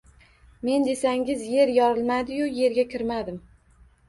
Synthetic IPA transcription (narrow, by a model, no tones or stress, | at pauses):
me̞nd̪e̞saŋʲɪzje̞ɾjɒɾɪlˠmad̪ɪjʊje̞ɾɡʲakʲɪɾmad̪ɪm